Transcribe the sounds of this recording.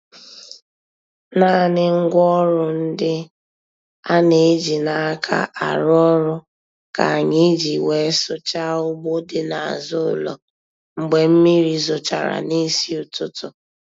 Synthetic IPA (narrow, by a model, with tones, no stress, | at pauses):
na˦˨nɪ˦ŋ̩˦ɡʷɔ˦ɾʊ˦n̩˦dɪ˦ | a˦ne˨e˦d͡ʒi˨na˨a˦kʰa̰˦ʔa˨ɾʊ˦ɔ˦ɾʊ˦ | ka˨a˨ɲɪ˦d͡ʒi˨we˨˦sʊ˦t͡ʃa˦ʊ˦ɡ͡bo˦dɪ˦na˨a̰˨zʊ˦ʊ˨lɔ̰˨ | ŋ͡m̩˨ɡ͡be˨m̩˦mi˦ɾi˦zʊ˨t͡ʃa̰˨ɾa̰˨ni˦si˦ʊ˨tʊ˦tʊ˨